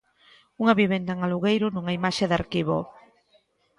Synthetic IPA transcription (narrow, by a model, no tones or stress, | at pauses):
uŋɐβiβend̪aŋaluɣejɾʊnuŋaimaʃeðaɾkiβo